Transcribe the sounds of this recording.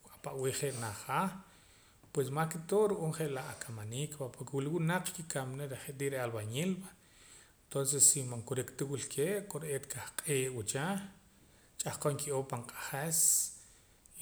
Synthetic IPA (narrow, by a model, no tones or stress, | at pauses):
apaʔwiːχeʔnaχa | pwes̬makit̪oɾuʔoːɴχeʔlaʔakʰamaniːkpapoɾkewliwunaq͡χkikamneɾeχeʔt̪iʔɾealβaɲelba | ent̪onsesːimaŋkuɾikt̪iwilkʰeːʔkʼoɾet̪kahqʼeːʔwut͡ʃa | t͡ʃʼaχkoŋkiʔopaɴqʼḁχes